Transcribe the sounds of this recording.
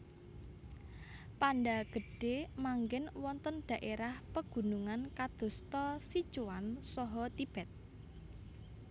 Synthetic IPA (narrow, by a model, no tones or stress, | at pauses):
panɖaɡ̥ə̤ɖ̥emaŋɡɪnwɔnt̪ənɖ̪̥ä̤ʔeɾahpəɡ̥ṳnuŋankad̪̥o̤st̪ɔsi̥t͡ʃuwansɔɦɔt̪ib̥ɛt̪̚